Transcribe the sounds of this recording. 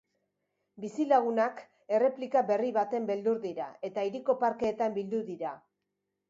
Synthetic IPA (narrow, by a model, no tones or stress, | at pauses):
bisilaɣ̞unak | e̞re̞plikaβe̞riβat̪e̞mbe̞ld̪uɾðiɾa̰e̞t̪aiɾiko̞paɾkeːt̪ambild̪uðiɾa